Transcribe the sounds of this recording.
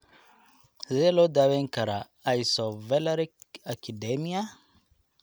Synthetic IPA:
zelod̪aweŋkaɾa | ajsovɛlaɾikakʰidemia

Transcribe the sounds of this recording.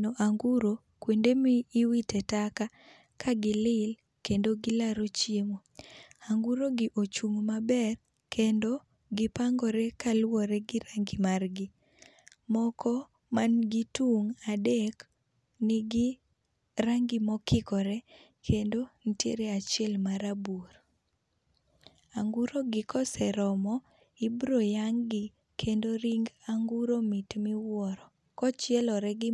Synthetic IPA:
noʔaŋɡuɾo | kwendemiːwitɛtaka | kaɡɪlɪl | kendoɡɪlaɾot͡ʃjemoaŋɡuɾoɡiʔot͡ʃuŋmabɛr | kʰendo | ɡɪpaŋɡɔɾɛkalwɔɾɛɡɪɾaŋɡɪmarɡi | mɔkʰɔ | manɡituŋadɛk | nɪɡɪ | ɾaŋɡimɔkʰɪkɔɾɛ | kʰendonitjḛɾeat͡ʃɪɛlmaɾaboɾ | aŋɡuɾoɡɪkɔsɛɾɔmɔ | ibɾojaŋɡɪ | kʰendoɾiŋɡaŋɡuɾomitmɪwɔɾɔ | kɔt͡ʃɪɛlɔɾɛɡɪ

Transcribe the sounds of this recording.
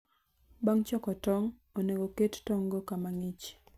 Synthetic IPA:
baŋt͡ʃɔkɔtɔŋ | oneɡokettɔŋɡokamaŋit͡ʃ

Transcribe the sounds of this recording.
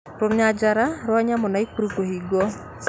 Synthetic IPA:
ɾomɲad͡ʒaɾaɾwaɲamɔnaikuɾukoɦiɡo

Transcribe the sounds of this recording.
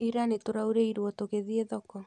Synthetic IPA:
iɾanetoɾauɾeiɾwɔtoɣeðieðɔkɔ

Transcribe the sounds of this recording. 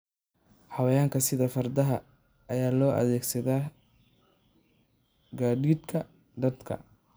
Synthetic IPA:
ħɑwɐjaːŋkʰɐsɪðɐfɐrd̪ɐɦɐ | ɐjaːlɔːʔɐ̰ðɛːɡsɐðaː | ɡaːɖiːd̪kʰɐ | d̪ɐd̪kʰɐ̰

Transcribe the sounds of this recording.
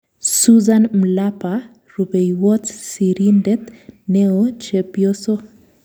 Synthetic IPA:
suzanm̩lapa | rubejwɔtsiɾindɛt̪neot͡ʃepioso

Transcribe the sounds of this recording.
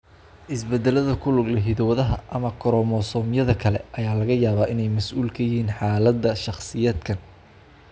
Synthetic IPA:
ʔɪsbɛd̪ɛlɐðɐkʰʊlʊɡlɐɦɪðɔwɐðɐɦɐʔɐmɐkʰɔɾɔmɔsɔːmjɐðɐkʰɐlɛ̰ʔɐjaːlɐɣɐjaːβaːʔɪnɛjmɐsʔuːlkʰɐjɪɦiːnħɑːlɐd̪ːɐʃɑχsɪjɐd̪kʰɐn

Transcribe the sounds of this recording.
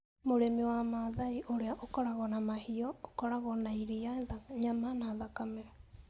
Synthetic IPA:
moɾemewamaðaiʔoɾeaʔokɔɾaɣɔnamahiɔokɔɾaɣɔnaiɾiaɲamanaðakamɛɾ

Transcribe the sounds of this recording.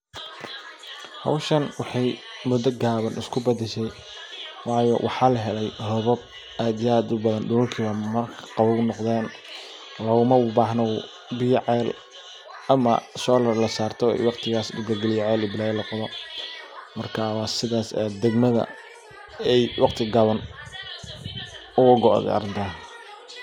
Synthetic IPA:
hɐ̰wʃɐnwɑħɑjmʊd̪ːɐɡaːβɐnʔɪskʰʊbɐd̪ɛʃɛj | wɑːjɔ̰wʔɑħɑːlɐɦɛlɛjhɔβɔb̚ | aːd̪ɪjaːd̪ʊbɐðɐnɖʊlʊrkʰiːβɐmɐrkʰqɑβɔnɔqðɛːn | lɐɣʊmɐʊbaːɦnɔw | bɪjʕɛːl | ʔɐmɐ̰ʃɔːlɐrlɐsaːrt̪ʰɔɛ̰jwɑqt̪ʰɪɣaːsd̪ʊɡɐlɡɛlɪjɛʕɛːlɪbɪlaːjɛlɐqɔðɔ | mɐrkʰawɑːsɪðaːsɛ̰d̪ɛɡmɐðɐ̰ | ɛjwʔɑqt̪ʰɪɡɑβɐn | ʊɣʊɡɔʔðɛ̰ɐ̰ɾɪnt̪ʰaːn

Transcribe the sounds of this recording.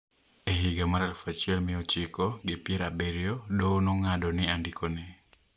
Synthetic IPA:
eɦɪɡamaɾalfat͡ʃiɛlmɛot͡ʃikɔɡɪpjɛɾabɛɾjodonoŋadɔnɪandikʰonɛ

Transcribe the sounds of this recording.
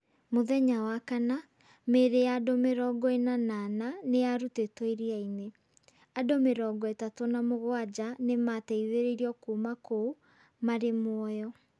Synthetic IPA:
moðɛɲawakana | meɾejadomeɾɔɡɔenanananejaɾutetɔiɾiaine | adomeɾɔɡɔetatonamoɣwad͡ʑanematɛiðeɾeɾiɔkumako | maɾemwɔjɔ

